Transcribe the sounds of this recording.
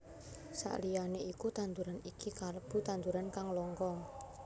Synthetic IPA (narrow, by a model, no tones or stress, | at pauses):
sa̰ʔlijaneikut̪ant̪uɾanikikaləb̥ṳt̪ant̪uɾankaŋlɔŋkɔ